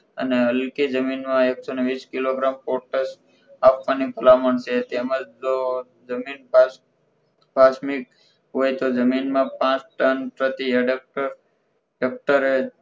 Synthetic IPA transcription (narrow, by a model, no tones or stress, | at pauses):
ə̰neəlkid͡ʒəminmãeksoneʋiskiloɡɾampoɾʈəs | apʋanipəlaməɳset̪eməd͡ʒd͡ʒo | d͡ʒəmin | bʱasmik | ɦojt̪od͡ʒəminmãpãt͡ʃʈənpɾət̪ieɖək̚ʈəɾ | ɖək̚ʈəɾe